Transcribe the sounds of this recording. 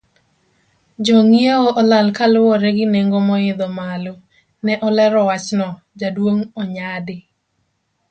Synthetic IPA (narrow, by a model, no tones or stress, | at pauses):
d͡ʒoŋjeoʔɔlalkalʊwɔɾɛɡɪneŋɡomɔɪd̪ɔmalo | nɛʔɔlɛɾɔwat͡ʃnɔ | d͡ʒadwoŋɔɲadɪ